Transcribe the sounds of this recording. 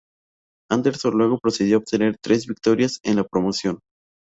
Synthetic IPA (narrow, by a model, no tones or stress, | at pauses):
and̪e̞ɾsonlwe̞ɣopɾo̞seðjo̞ːβ̚t̪e̞ne̞ɾt̪ɾe̞zβik̚t̪o̞ɾjase̞nlapɾo̞mo̞sjo̞n